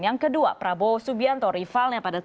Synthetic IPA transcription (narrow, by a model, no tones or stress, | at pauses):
jaŋkədua̰pɾabosubiant̪ɔɾifalɲapada